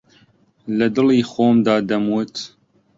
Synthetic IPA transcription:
lɐd̪ɨliːxoːmd̪ɑːd̪ɐmwut̪

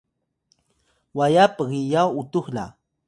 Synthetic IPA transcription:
wajapaɢɪjawʊt̪ʊχla̰

